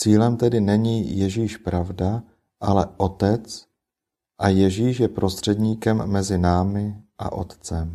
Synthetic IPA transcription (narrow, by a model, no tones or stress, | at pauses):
t͡siːlɛmt̪ɛdɪnɛɲijɛʒiːʃpɾavda | ʔalɛʔot̪ɛt͡s | ʔajɛʒiːʃjɛpɾo̞st̪r̝̥ɛdɲiːkɛmːɛzɪnaːmɪʔa̰ʔo̞̰t̪t͡sɛm